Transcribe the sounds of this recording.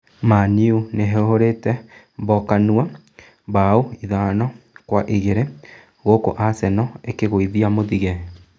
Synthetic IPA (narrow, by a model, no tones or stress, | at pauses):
maniuneɦɛoɦoɾetɛ | mbɔkanua | bauiðanɔkwaʔiɣeɾe | ɣoko̰ʔasɛnɔekeɣoiðiamoðiɣɛe